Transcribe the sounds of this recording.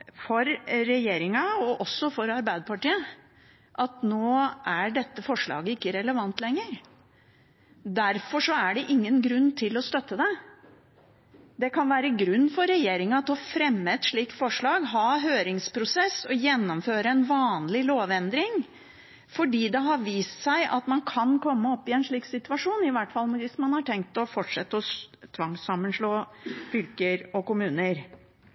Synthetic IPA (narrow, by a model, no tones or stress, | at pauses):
fɔɾːɛjeːɾɪŋɑɔʔɔsːɔfɔɾɑɾbæɪd̪əpʰɑʈiːə | ʔɑt̪noːʔæɖɛt̪ːəfɔʂɭɑ̰ːɡəɪkːəɾɛləʋɑnt̪ʰlɛŋːəɾ | d̪æɾfɔʂɔæɖɛʔɪŋːənɡɾʉnːt̪ʰɪlɔst̪œt̪ːəd̪ɛ | d̪ɛkʰɑnʋæːɾəɡɾʉnːfɔɾɛjeːɾɪŋɑɑt̪hɔfɾɛmːəɛt̪ʂɭiːk̚t̪fɔʂɭɑːɡɦɑːɦøːɾɪŋspʰɾʊsɛsɔjɛnːɔmføːɾəɛnʋɑːnlɪloːʋɛnd̪ɾɪŋ | fɔɖiːd̪ɛɦɑɾʋiːst̪sæɪʔɑt̪mɑnkʰɑnkʰɔmːəɔpːɪɛnʂɭiːksɪt̪ʉɑʂuːnɪʋæʈfɑlːˠʋɪsmɑnhɑʈʰɛŋk̚t̪ɔfɔʈʂɛt̪ːəɔt̪ʰʋɑŋsɑmːənʂɭoːfʏlkəɾɔkʊmʉːnəɾ